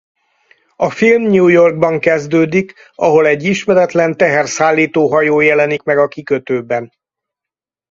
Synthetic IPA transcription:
ɒfilmɲuːjo̞rɡ̚bɒŋkɛzd̪øːd̪ik | ɒɦo̞lɛɟːiʃmɛɾɛt̪lɛnt̪ɛɦɛrsaːlːiːt̪oːɦɒjoːjɛlɛnikmɛɡɒkikøt̪øːbɛn

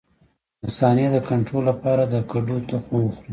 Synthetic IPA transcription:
dəsɑnjed̪əkaɳʈɾolːapɑɾad̪əkaɖot̪axox

